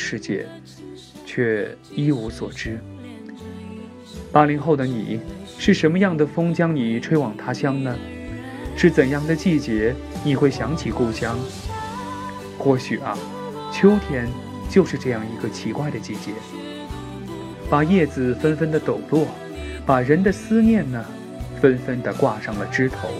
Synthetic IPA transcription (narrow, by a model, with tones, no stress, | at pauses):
ʂɻ̩˥˧t͡ɕjɛ̰˥˩ | t͡ɕʰɥɛ˥˩i˥u˧˥swɔ̰˨˩ʈ͡ʂɻ̩˥ | pa˥li˧˥nxo˥˩ʊd̪ə˩nḭ˨˩˦ʂɻ̩˥˩ʂə˧˥nmə˧jɑ˥˩ŋd̪ə˩fɤ˥ŋt͡ɕjɑ˥ŋni˨˩ʈ͡ʂʰwe˥ɪwɑ˨˩ŋt̪ʰa˥ɕjɑ˥ŋnə˨ | ʂɻ̩˥˩t͡sə˨˩njɑ˥˩ŋd̪ə˩t͡ɕi˥˩t͡ɕjɛ˧˥ | ni˨˩xwe˥˩ɪɕjɑ˧˥ŋt͡ɕʰi˨˩ku˥˧ʊɕjɑ˥ŋ | xwɔ˥˩ɕy˨˩ɐ˧˦ | t͡ɕʰjo˥ʊt̪ʰjɛ˥n | t͡ɕjo˥˧ʊʂɻ̩˥˧ʈ͡ʂɤ˥˧jɑ˥˩ŋi˧˥ɡə˧t͡ɕʰi˧˥kwa˥˩ɪd̪ə˩t͡ɕi˥˩t͡ɕjɛ˧˥ | pa˨˩jɛ˥˩d͡zɹ̩˨˩fə˥nfə˥nd̪ə˨t̪o˨˩ʊlwɔ˥˩ | pa˨˩ɻə˧˥nd̪ə˨sɹ̩˥njɛ˥˩nnə˩ | fə˥nfə˥nd̪ə˨kwa˥˧ʂɑ˥˩ŋlə˩ʈ͡ʂɻ̩˥t̪ʰo˧˥ʊ